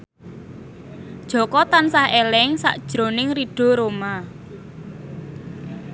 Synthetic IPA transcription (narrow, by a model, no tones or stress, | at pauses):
d̥ʒ̥ɔ̤kɔt̪ansahelɛŋsa̰ʔd̥ʒ̥ɾo̤nɪŋriɖ̥ɔ̤ɾoma